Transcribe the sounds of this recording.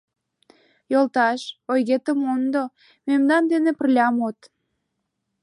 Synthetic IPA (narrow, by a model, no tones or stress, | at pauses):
jolˠt̪ɑʃojɣet̪əmond̪o | memnɑnd̪enepərlʲɑmot̪